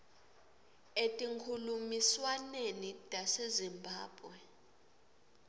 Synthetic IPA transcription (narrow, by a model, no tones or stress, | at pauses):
etʼiŋkʰulumiswanenid̥ʱʼasezimbʱaːb̥ʱwɛ